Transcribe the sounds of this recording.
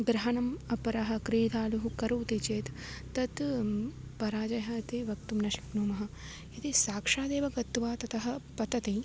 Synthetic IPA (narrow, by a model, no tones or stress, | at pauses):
ɡɾɐɦɐnɐmɐpɐɾɐɦɐ̆kɾeːd̪ʱaːluɦukɐɾuːt̪it͡ʃeːt̪ː | ɐt̪ | pɐɾaːd͡ʒɐjɦɐɐt̪iʋɐk̚t̪umnɐʃi̥knuːmɐɦɐ̆ | it̪isaːkʂaːd̪eːʋɐɡɐt̪ʋaːt̪ɐt̪ɐɦɐ̆pɐt̪ɐt̪i